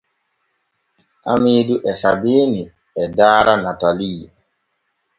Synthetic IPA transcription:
ʔamiːduʔɛsabeːni | ɛdaːɾanataliː

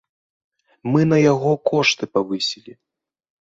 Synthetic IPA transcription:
mɨnɐjaɣɔkɔʂt̪ɨpavɨsʲilʲi

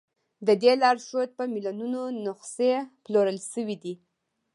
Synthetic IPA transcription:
d̪əd̪elɑɾʃod̪̚pəmilonunonʊqseploɾəlʃəwid̪i

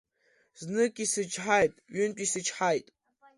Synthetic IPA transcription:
znɨkʲʼisɨt͡ʃħajtʼɥɪntʲʷʼisɨt͡ʃʰħajtʼ

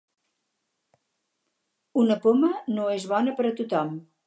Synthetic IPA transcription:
unəpomənoezβɔnəpəɾət̪ut̪ɔm

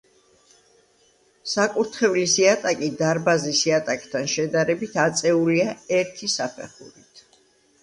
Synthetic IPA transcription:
sakʼuɾt̪ʰχɛvlisiat̪ʼakʼid̪aɾbazisiat̪ʼakʼt̪ʰanʃɛd̪aɾɛbit̪ʰat̪sʼɛuliaɛɾt̪ʰisapʰɛχṵɾit̪ʰ

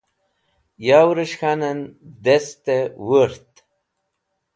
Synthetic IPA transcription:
jaːwɾəɕxanənd̪est̪ewəɾt̪

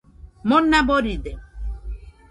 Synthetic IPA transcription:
monːaboɾid̪e

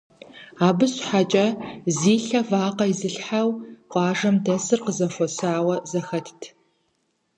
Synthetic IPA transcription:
aːbɨɕħat͡ʃʼɐziːɬɐvaːqɐizɨɬħawqʷɑːʐɐmdɐsɨrqəzɐfʷɔsaːwɐzɐxɐtʰtʰ

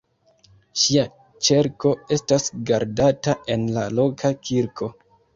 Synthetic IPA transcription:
ʃia | t͡ʃe̞ɾko̞e̞stasɡaɾdataʔe̞nlalo̞kʰakʰiɾkʰo̞

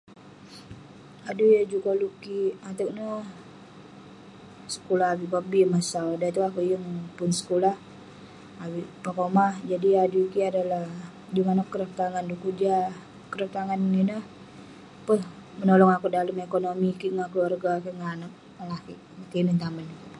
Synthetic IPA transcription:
adujad͡ʒukolukiat̪ək̚nə | sə̥kulahabipabimasawdat̪uakuʔjəŋpʊnsə̥kulah | abiʔpakomad͡ʒadiadukiadalah | dimanakəɾəf̚t̪aŋandukud͡ʒa | kəɾəf̚t̪aŋanːinəh | pəh | mənolɔŋakudaləmekonomikiʔŋakluarɡakiʔŋanak̚ | lahkiʔkinənt̪aməli

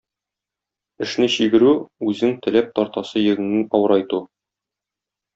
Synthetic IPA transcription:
ɘ̆ʃnɘɕiɡɘ̆ɾʉʉzɘŋt̪ɘ̆læp̚t̪ɒɾt̪ɑsɤjɘ̆ɡɘ̆ŋnɘŋɒwɤ̆ɾɒjt̪u

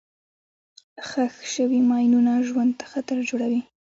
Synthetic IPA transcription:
xaxʃəwimɑjnunaʒwand̪̚t̪ḁxat̪aɾd͡ʒoɽawi

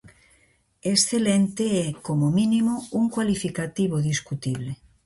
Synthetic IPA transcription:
esθelent̪eɛkomomĩnimouŋkwalifikat̪iβoðiskut̪iβle

